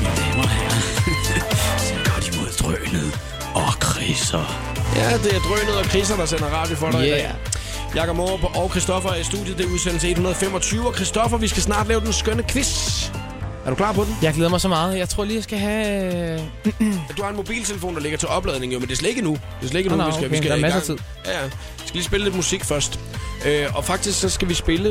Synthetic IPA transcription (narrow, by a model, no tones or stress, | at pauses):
ʋinemɐhæɐ | sɒmɡ̥ɑ̥imoð̰ˠd̥ʁœ̰ːnəð̩ˠ | ɒkʰʁisɐ | jæd̥e̝æɐd̥ʁœːnəð̞̩ˠɒ̽kʰʁis̬ɐd̥ɑ̈senɐʁɑ̈ːd̥jofɒɾɑ̈ɪidɛ̰ | jɑ̈kɒb̥mobʔɒʊkʰʁisd̥ɒ̽fɐæɐisd̥ṵðˠjəd̥e̝uðˠsen̰l̩se̝̥hunɐðˠfemɒ̽t͡sʰyːʊɒ̽kʰʁisd̥ɒ̽fɐʋisɡ̥æsnɑ̰̈ːd̥lɛːʊd̥ensɡ̥œnəkʰʋes | æɐɾ̥ukʰlɑ̰̈ːpʰɒ̽d̥ejɑ̈ɪɡ̥leːðˠɐmɑ̈ɪsɒmɑ̈ːð̩ˠjɑ̈ɪt͡sʰʁo̝ɐ̰liːjasɡ̥æɦæ | d̥uhɑe̝nmob̥ḭːlt͡sʰe̝ləfo̝̰ːnd̥ɑle̝ɡ̥ɐt͡sʰe̝lɒ̽b̥lɛːð̞ˠne̝ŋ̩jomende̝slee̝ɡ̥ənud̥e̝slee̝ɡənuisɡæʋsɡ̥ææmæɡɐŋt͡sʰið̰ˠjææ | ʋisɡ̥æliːsb̥e̝ləle̝d̥musiɡ̥fɶɐsd̥ʔøʔɒ̽fɑ̈ɡ̥d̥isɡ̥sɒ̽sɡ̥æʋisb̥e̝lə